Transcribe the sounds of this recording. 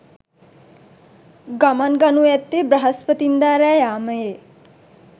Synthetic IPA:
ɡɐmanɡɐnujɛt̪ːebɾɐɦɐspət̪ind̪aːɾajaːməje

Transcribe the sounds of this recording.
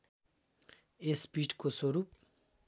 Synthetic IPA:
espiːʈkoswoɾuːp

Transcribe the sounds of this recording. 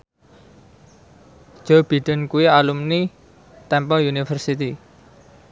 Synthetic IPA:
ʒ̥ɔb̥i̤ɖ̪̥ə̤nkuwialumni | t̪ɛmpɔunifərsit̪i

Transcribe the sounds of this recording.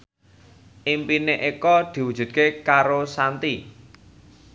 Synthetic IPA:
ʔimpineʔikɔd̪̥i̤wud̥ʒ̥ṳt̪̚kekaɾosant̪i

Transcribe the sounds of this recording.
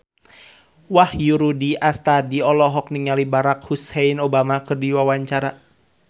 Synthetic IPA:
wahjuɾudiʔast̪adiɔlɔɦɔk̚niŋalibaɾakhusɛinobamakɨrdiwawaɲt͡ʃaɾa

